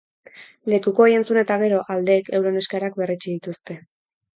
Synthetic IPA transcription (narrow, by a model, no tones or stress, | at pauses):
le̞kuko̞ːje̞nt͡sune̞t̪aɣ̞e̞ɾo̞ʔald̪e̞ːke̞wɾo̞ne̞skaɾak̚be̞rit͡ʃiðit̪ust̪e̞